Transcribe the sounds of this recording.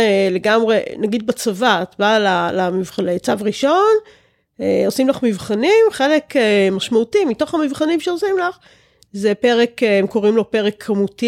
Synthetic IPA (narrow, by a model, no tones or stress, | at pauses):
ele̞ɡamʁenaɡid̪̚bat͡savat̪balalamivχalet͡savʁiʃo̞n | eosimlaχmivχanimχe̞lekemaʃmautimito̞χamivχanimʃeosimlaχ | zepe̞ʁekemko̞ʁimlo̞peʁekʰːamuti